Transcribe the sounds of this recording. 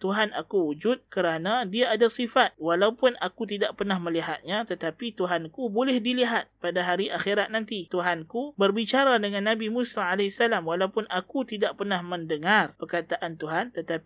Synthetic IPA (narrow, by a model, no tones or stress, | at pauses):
t̪uɦana̰kuwud͡ʒʊt̪̚kəɾanãdiaːdasifat̪̚walaupʊnakut̪̬idaʔpərnahmə̃liɦat̪̚ɲãt̪ət̪apit̪uɦankubolɛhdiliɦat̪̚padaɦaɾiʔaxiɾat̪̚nãnt̪it̪uɦankubərbit͡ʃaɾadəŋãnːãbimusaːlɛsalamwalaupʊnakut̪idaʔpərnahmə̃ndəŋarpərkat̪aʔant̪uɦant̪ət̪api